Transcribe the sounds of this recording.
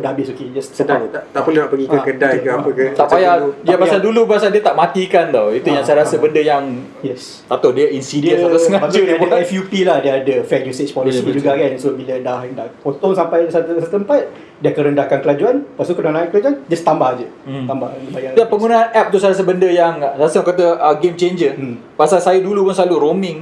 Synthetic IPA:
odaɦabɪsoked͡ʒassədat̪at̪aʔpəluhnapəɡikəkədajkəapəkət̪aajadiappasaldulubaasaldiət̪aʔmat̪ikant̪ɔit̪ujaŋsajɾasəbəndəjaŋ | jɛs | t̪at̪odiəʔinsidiəsaaŋamaudiadot̪aafjupilahdiəadəfɛk̚ɲuset͡ʃpolisid͡ʒuɡaɡansəbaʔ̚biladahndaʔpot̪ɔŋsampajsasət̪əmpat̪̚ | diakəɾəndahkankəlad͡ʒuanpast̪ukənãnaikəlad͡ʒuand͡ʒast̪ambahd͡ʒət̪ambahɡəbajadapəŋunaːnɛp̚t̪usajɾas̬əbəndəjaŋsaɾasəaŋkat̪̬əʔəɡemt͡ʃeɲd͡ʒə | pasalsajədulupʊnsəlaluɾomɪ̃ŋ

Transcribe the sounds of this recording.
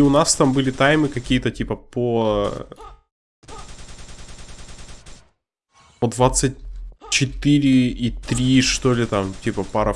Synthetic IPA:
ʊnast̪ambɨlʲɪt̪ajmɨkɐkʲijət̪ətʲipəpo | pəd̪vat̪sɨt̚ʲt͡ɕɪt̪ɨɾʲɪit̪ɾʲiʂt̪olʲɪt̪amtʲipəpaɾə

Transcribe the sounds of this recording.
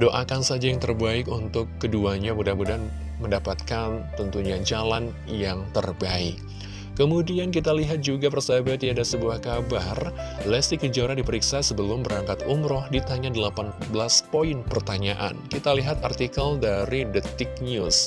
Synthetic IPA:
doʔakansad͡ʒajaŋt̪ərbaɪkunt̪ʊkːəduaɲamudanmudan | məndapat̪̚kant̪ənt̪uɲad͡ʒalan | jaŋt̪ərbaɪ̰kː | əmudiank̬it̪aliɦat̪̚d͡ʒuɡapərsabat̪iadasəbuahkabarlɛst̪ikəd͡ʒaɾadipəɾiksasəbəlʊmbəɾaŋkat̪umɾɔhdit̪aɲadəlapanbəlaspoɪnpərt̪aɲaʔa̰nkit̪aliɦat̪art̪ikəldaɾidət̪ɪk̚ɲus

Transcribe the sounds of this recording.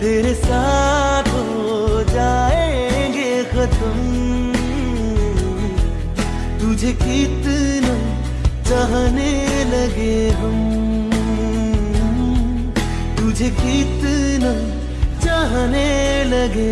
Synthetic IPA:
t̪eɾesat̪ʰo | d͡ʒaeɡe | kʰɐt̪əm | t̪ud͡ʒʱekɪt̪nə | t͡ʃaɦneləɡeɦəm | t̪ud͡ʒʱekɪt̪nə | t͡ʃaɦneləɡe

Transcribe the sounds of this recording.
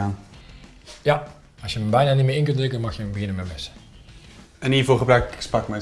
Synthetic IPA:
aːn | ja | ɑsjəməbɛjnaːnitmɪːʔɪnk̬ɵntrɪkənmɑxjəbəɣɪnəmɛmɪsə̥ | ɛniːɹvoːχəbrɛkspɑkmɛ

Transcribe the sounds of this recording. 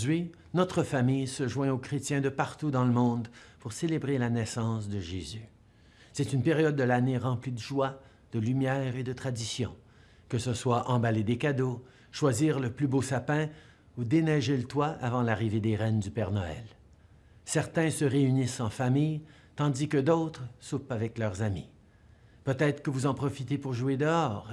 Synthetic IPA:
ɥi | nɔt̪χəfamijsəʒwɛ̃okχet̪jɛ̃d̪əpaʁt̪ud̪ɑ̃ləmɔ̃d̪puʁselebʁelanɛsɑ̃s̬d̪əʒezy | sɛt̪ynpeʁjɔd̪̚ːəlaneʁɑ̃plid̪əʒwa | d̪̥əlymjɛːʁed̪ət̪χad̪isjɔ̃ | kəsəswaʔɑ̃baled̪ekad̪o | ʃwaziːʁləplybosapɛ̃ | ud̪enɛʒelət̪waʔa̰vɑ̃laʁived̪eʁɛnd̪ypɛʁnɔɛ̰l | sɛʁt̪ɛ̃səʁeynisɑ̃famij | t̪ɑ̃d̪ikəd̪oʊt̪χəsupavɛklœʁzami | pøt̪ɛːt̪χə̥kəvuzɑ̃pχɔfit̪epuʁʒued̪əɔːʁ

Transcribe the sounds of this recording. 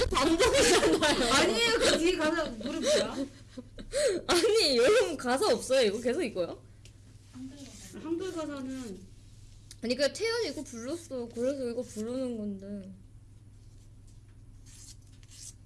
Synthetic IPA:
pamdʌɡid͡ʑanajoaɲiokɯkiɡekasʰamuɾɯ | aɲijʌɾʌmɯkasʰaʌp̚s͈ʌjoiɡʌke̞sʰʌik͈ʌjo | handʌɭɡasʰanɯn | aɲik͈atʰejʌɲiɡ͈opuɭːos͈ʌkɯɾesʰʌiɡʌpuɭːunɯnɡʌndɯ

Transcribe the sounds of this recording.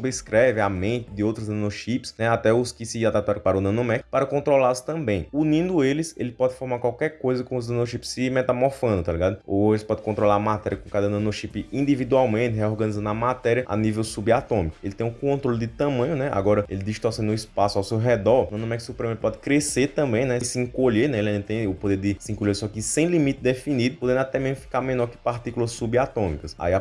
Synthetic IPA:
obɾeskɾɛvɪamẽt̪ɪd̪ɪowt̪ɾʊznɐ̃noʃipɪ̥snɛat̪ɛʊskɪsɪad̪at̪aɾ̃paɾunɐ̃nomɛkɪ̥paɾɐkõnt̪ɾolalʊst̪ɐ̃mbẽj̃unĩnd̪ʊelɪselɪpɔd̪ɪfɔɦmaɾkwawkɛɾkojzɐkõʊznɐ̃noʃipɪ̥sːɪmɛt̪amoɾfɐ̃nd̪ʊt̪aliɡad̪ʊoelɪspɔd̪ɪkõnt̪ɾolaɾɐmat̪ɛɾiɐkõkad̪ɐnɐ̃noʃipɪĩd̪ivid̪uawmẽnt̪ɪɦeɔɾɡɐ̃nizɐ̃nd̪ɐmat̪ɛɾiɐa̰nivewsubiat̪õmikʊelɪt̪ẽj̃ʊkõt̪ɾolɪd̪ɪt̪ɐ̃mɐ̃ɲʊnɛa̰ɡɔɾɐelɪd̪iʃt̪ɔsẽnd̪ʊispasʊawsewɦɛd̪ɔɐ̃wnɐ̃m̃ɛkɪsewpɾẽmelɪpɔd̪ɪkɾeset̪ɐ̃bẽj̃nɛsɪĩkoʎenɛel̃d̪̃t̪ẽj̃ʊpod̪eɾd̪ɪsɪĩkolʎesɔakisẽj̃limit̪ɪd̪efinid̪ʊpod̪ẽnd̪at̪ɛmezmʊfi̥kaɾmẽnɔɾkɪ̥paɾt̪ikulɐsːubiat̪õmikɐsa̰ia

